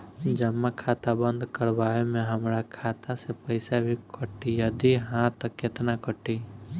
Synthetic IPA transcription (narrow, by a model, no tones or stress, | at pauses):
d͡ʒəmːakʰaːt̪abə̃nd̪kəɾbaːemẽɦəmɾakʰaːt̪asepəɪsabʱikʰəʈːijəd̪iɦãt̪əkːet̪nakəʈːi